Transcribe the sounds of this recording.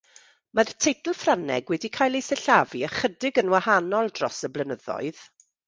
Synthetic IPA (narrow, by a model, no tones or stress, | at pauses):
martʰejtl̩ˠfranɛ̰ɡwɛdikʰaːjlˠejsɛɬaviəχədɪɡənwahanɔlˠdrɔsəblənəðɔ̰ɨð